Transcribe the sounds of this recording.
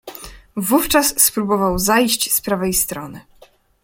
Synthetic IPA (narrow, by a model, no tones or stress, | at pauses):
vuft͡ʂasːpɾubɔvawzajɕt͡ɕspɾavɛjst̪ɾɔnɘ̰